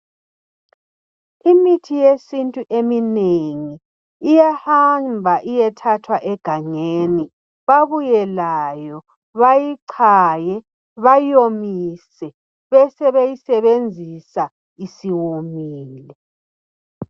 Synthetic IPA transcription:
imitʰijesintʼuʔemineŋiː | jahambʱaʔijɛtʰatʰwaʔɛɡ̥ʱaɲeni | βaβujɛlajɔ | βajiǀʰajɛ | βajomisɛ | βɛsɛβejisɛβend͡zʱisa | isiwomiːlɛ

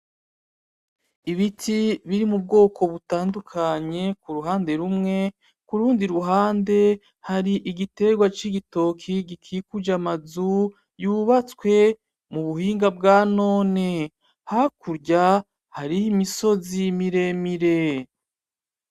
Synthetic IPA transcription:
iβitʰiβiɾimub̚ɡo̞ːkʰo̞βutaːndukʰaɲe̞kuɾuɦaːnde̞ɾumŋe̞ | kuɾuːndiɾuɦaːnde̞ | haɾiʔiɡite̞ɡwat͡ʃiɡito̞kʰiɡikʰikud͡ʒamazu | juβat͡swe̞ | muβuhiːŋɡabɡaːno̞ːne̞ | hakuɾɟa | haɾiimiso̞zimiɾe̞miɾe̞

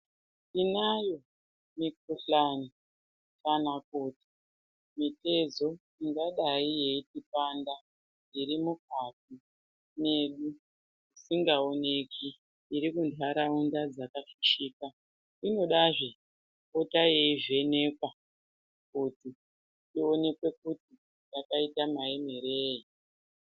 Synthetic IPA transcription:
inajo̞ | mikuɬani | kanakuti̥ | mite̞zo̞ | iŋɡaɗaije̞itipanda | iɾimuk̚ati | ne̞ɗu | isiŋɡaone̞kʰiː | ɾikundʱwaɾaundad͡zakafiʃiːka | ino̞ɗaʐe | kotajeiʐe̞ne̞ːkwa | kuti | tio̞ne̞kwe̞kuti | takaitamaemeɾeːji

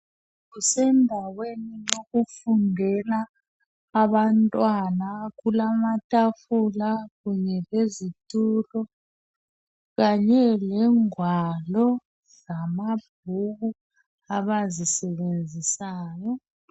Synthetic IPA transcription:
ɣusɛndʱaweninoɣufundʱɛlaː | βantʼwanaɣulamatʼafulaɣuɲɛlezitʼulɔ | ɣaɲɛlɛŋwalɔ | zamab̥̚ʱuɣu | aβazisɛβend͡zʱisaːjɔ

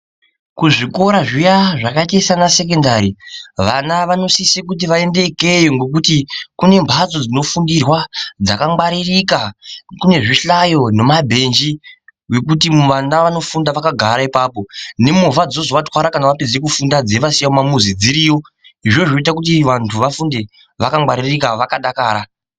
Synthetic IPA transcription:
kuʐiko̞ɾaʐijaʐakaitaisanase̞k̬e̞ndaɾiʋanaʋano̞sisekut̬iʋae̞nde̞ke̞jeŋɡe̞k̬utikune̞mbʱat͡so̞d͡zino̞fundirwad͡za̰kamɡ͡baɾirikakune̞ʐiɬajo̞ne̞mabʱe̞nd͡ʒiwe̞kutimuʋanaʋano̞fundaʋakaɡʱaɾaipaːpo̞ne̞movad͡zo̞zoʋatwaɾakanaʋaped͡zekufundad͡zeʋasijaomamuzid͡ziɾiːjo̞ | iʐo̞ʐo̞it̬ak̬ut̬iʋantʰuʋafunde̞ | ʋakamɡ͡baɾirikaʋakaɗakaːɾa

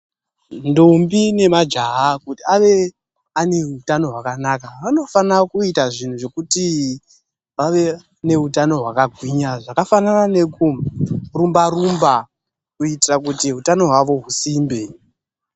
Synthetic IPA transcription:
ndombine̞mad͡ʒaɦakutiaʋe̞ | ane̞ɦutano̞ɦwakanakaʋano̞fanakuitaʐin̤uʐe̞kuti | ʋaʋe̞ | ne̞ɦutano̞ɦwakaɡʱwiɲaʐakafananane̞kurumbarumba | kuitirakutiɦutano̞ɦwaʋo̞ɦusimbe

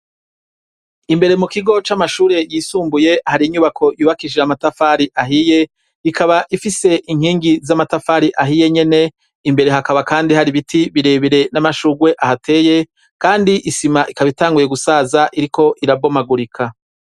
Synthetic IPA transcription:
imbe̞ɾe̞mukiɡo̞t͡ʃamaʃuːɾe̞jiːsuːmbuje̞haɾiɲuβakʰo̞juːβakiʒeamatafaɾiʔaɦije̞ | ikaβaʔifise̞ʔiŋ̥hiːŋɡizamatafaɾiʔaɦije̞ɲe̞ne̞ | imbe̞ɾe̞ɦakaβakaːndihaɾiβitʰiβiɾe̞βiɾe̞namaʃuɡwe̞ʔahatʰe̞ːje̞ | kaːndiʔisimaʔikaβitaːŋɡuje̞ɡusaːzaʔiɾiko̞ʔiɾabo̞maɡuɾikʰa

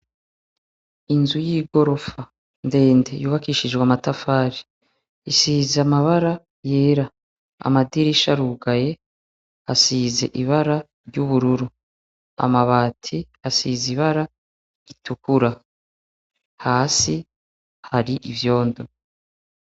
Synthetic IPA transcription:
inzujiːɡo̞ɾo̞fa | nde̞ːnde̞juːβakiːʃid͡ʒɡwamatafaːɾi | isizamaβaɾa | je̞ːɾa | a̰madiɾiʃaɾuːɡaje̞ | a̰siːze̞̰ʔiβaɾa | ɾɟuβuɾuɾu | a̰maβaːtʰi | asiziβaɾa | itukuɾa | haːsi | haɾiʔivjo̞ːndo

